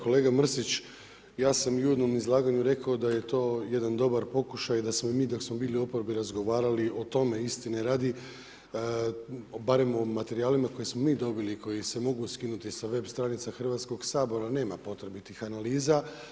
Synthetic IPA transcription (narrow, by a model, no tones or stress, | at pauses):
ko̞le̞ːɡamr̩sit͡ɕ | jaːsamjued̪no̞mizlˠaːɡaɲuɾe̞kaod̪aje̞t̪o̞ːje̞d̪and̪o̞baɾpo̞kuʃajd̪asmo̞imiːd̪o̞ksmo̞biːlˠiopoɾbiɾazɡo̞ʋaːɾaliʔo̞t̪o̞me̞ist̪ineɾaːd̪i | baɾe̞mo̞mat̪e̞ɾiaːlimako̞jesmo̞miːd̪o̞biliko̞jise̞mo̞ɡuskinut̪isaʋe̞bst̪ɾanit̪saxr̩ʋat̪sko̞ɡsaːbo̞ɾane̞ːmapo̞t̪ɾebit̪ixanaliːza